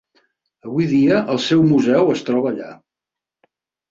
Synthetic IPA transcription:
əβujðiəʔəlˠsɛwmuzɛwəst̪ɾɔβəːʎa̰

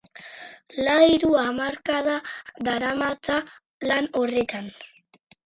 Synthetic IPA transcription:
laiɾuamaɾkaðaðaɾamat͡sa | lanoret̪an

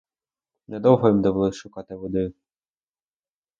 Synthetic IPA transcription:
nɛd̪ɔwɦɔjimd̪ɔʋlˠɔʃʊkɑt̪ɪʋɔd̪ɪj

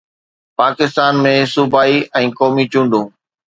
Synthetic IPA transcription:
paːkɪst̪aːnmẽsʊbʱaːiɛ̃ːkɔːmit͡ɕũːɳɖũː

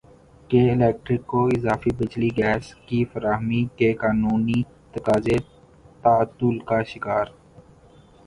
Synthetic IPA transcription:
keːɪleːk̚ʈɾɪkːoɪzaːfibɪt͡ʃliɡɛːskifəɾaːɦmikekaːnuːni | t̪əkaːze | t̪aːt̪ːʊlkaːʃɪkaːɾ

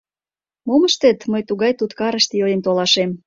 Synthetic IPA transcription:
moməʃt̪et̪məjt̪uɣɑjt̪ut̪kɑɾə̆ʃt̪jojent̪olɑʃem

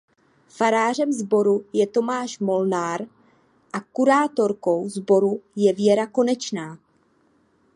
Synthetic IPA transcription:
faɾaːr̝ɛmzbo̞ɾujɛt̪o̞maːʃmo̞lnaːɾ | ʔakuɾaːt̪o̞ɾko̞wzbo̞ɾujɛvjɛɾako̞nɛt͡ʃnaː

